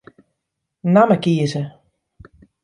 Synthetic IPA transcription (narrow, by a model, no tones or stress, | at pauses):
naməkiəzə